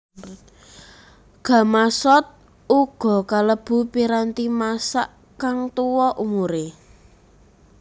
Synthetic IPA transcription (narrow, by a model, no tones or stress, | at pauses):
ɡ̥a̤masɔt̪̚ | uɡ̥ɔ̤kaləb̥ṳpiɾant̪imasaʔ | kaŋt̪uwɔʔumuɾe